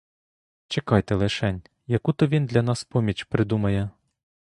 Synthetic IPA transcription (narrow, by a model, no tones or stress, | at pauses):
t͡ʃekɑjt̪ɛlˠɪʃɛnʲ | jɐkut̪ɔʋʲind̪lʲɐnɑspɔmʲit͡ʃpɾɪd̪umɐjɛ